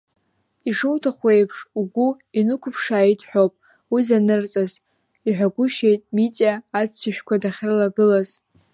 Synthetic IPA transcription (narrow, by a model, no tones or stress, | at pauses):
iʂɨwtʰaχʷejpʰʂuɡʷu | inɨkʷʰʊpʰʂaːitʰħʷᶣopʼ | wizanɨrt͡sʼaz | iħʷᶣaɡʷʊʃe̞jtʼmit͡sʼaːt͡st͡sʰiʃᶣkʷʰadaχʲrlaɡɨlaz̥